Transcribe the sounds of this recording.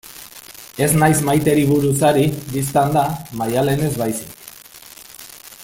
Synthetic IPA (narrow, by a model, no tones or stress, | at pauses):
e̞znajzmajt̪e̞ɾiβuɾusaɾibist̪and̪amajale̞ne̞zβajsik